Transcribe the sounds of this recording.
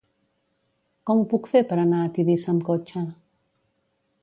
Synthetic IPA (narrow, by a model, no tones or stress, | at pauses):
kɔmpukfepɐɾanaːt̪ibesɐmkot͡ʃʰã